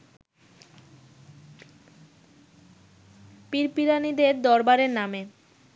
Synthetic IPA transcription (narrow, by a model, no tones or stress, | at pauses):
piɾpiɾanid̪eɾd̪ɔɾbaɾeɾname